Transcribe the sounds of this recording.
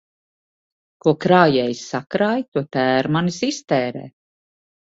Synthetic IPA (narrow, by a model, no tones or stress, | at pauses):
kuɔkɾaːjɛjsakɾaːjt̪uɔt̪æːɾmanisist̪ɛːɾɛ̰ː